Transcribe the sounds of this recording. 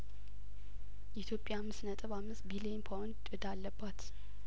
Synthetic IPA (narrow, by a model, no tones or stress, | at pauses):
ʔɛt̪ʰjo̞pʼjamːɨsnət̪ʼɨβamːɨsbilienpʰawnd | d̪alːəbːat̪